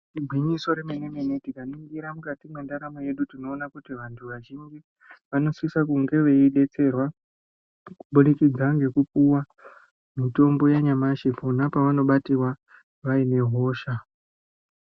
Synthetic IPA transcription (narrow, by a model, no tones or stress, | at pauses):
tibʱwiɲiso̞ɾemenemenetikaniŋɡiɾamukatimwe̞ndaɾamoje̞ɗutino̞ːnakutiʋantʰuʋaʒiɲd͡ʒi | ʋano̞swisakuŋɡe̞ʋe̞iɗe̞t͡se̞rwa | kuɓuɗikid͡zaŋɡe̞kupuwa | mito̞mbo̞jaɲamaʃefunapaʋano̞ɓatiwa | ʋaine̞ɦo̞ːʃa